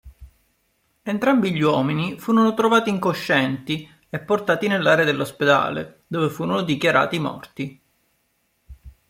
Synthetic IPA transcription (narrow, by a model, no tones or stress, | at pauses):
ent̪ɾambiʎːwɔːminifuːɾonot̪ɾovaːt̪iːŋkoʃːɛnt̪i | epːort̪aːt̪inelːaːɾead̪elːosped̪a̰ːlḛd̪oːvefuːɾonod̪ikjaɾa̰ːt̪imɔ̰rt̪i